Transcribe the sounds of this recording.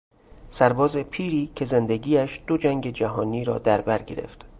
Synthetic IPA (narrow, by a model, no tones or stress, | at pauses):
sæɾbɒːzepʰiːɾiːcʰe̞zend̪e̞ɟiːæʃd̪̥o̞d͡ʒæŋɟe̞d͡ʒæɦɒːniːɾɒ̰ːd̪æɾbæɾɟe̞ɾḛft̪